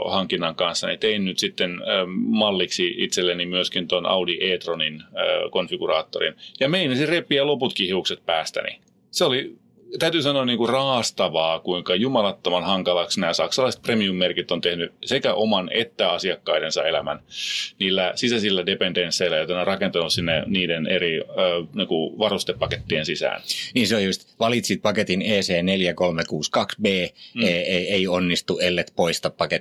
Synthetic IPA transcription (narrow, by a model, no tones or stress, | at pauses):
hɑŋkinːɑŋkɑnsːɑnḭt̪einnyt̪sit̪ːenmɑlːiksiit̪selːenimyøskint̪onʔɑ̰udiʔeːt̪ronin̰ːkonfiɡurɑːt̪ːoɾḭnjɑmeinæsirepːˑiɑloput̪kihiukset̪̚pæːst̪æ̰nḭ | seoli | t̪æyt̪ysɑnoɑnniːŋkurɑːst̪ɑʋɑːkuiŋkɑjumɑlɑt̪ːomɑnhɑŋkɑlɑksnæːsɑksɑlɑist̪̚premiumːerkit̪ːont̪ehnysekæʔomɑnet̪ːæɑsiɑkːɑidensɑelæmænniːlːæsisæsilːædependensːeilːæjot̪ɑnerɑkent̪ɑnussinːḛniːdeneɾiøːniːŋkuʋɑrust̪epːɑket̪ːiensisæ̰ːnniːnseojust̪ʋɑlit̪sit̪̚pɑket̪ineːseːneljækolmekuːskɑksbeːeeeionːist̪uʔelːet̪poist̪ɑppɑke